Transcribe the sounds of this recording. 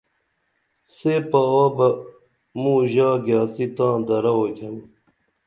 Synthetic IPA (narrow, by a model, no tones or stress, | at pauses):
sepaaːbɐ | mũːʑaːɡaːsit̪ãːd̪ɐɾɐokɐn